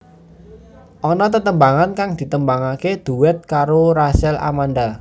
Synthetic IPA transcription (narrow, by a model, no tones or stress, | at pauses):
ʔɔnɔt̪ət̪əmbaŋankaŋd̪̥i̤t̪əmbaŋaked̪̥ṳwɛt̪̚kaɾoɾasɛla̰manɖa